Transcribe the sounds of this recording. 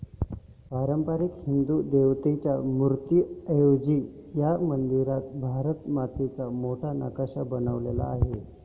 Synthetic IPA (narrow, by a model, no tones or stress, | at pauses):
paɾəmpaɾikhind̪uːd̪eʋt̪et͡ɕjamuɾt̪juəjod͡ʑijamənd̪iɾat̪̚bʱaɾət̪mat̪it͡samoʈʰana̰kaɕabənəʋlḛla̰ːɦe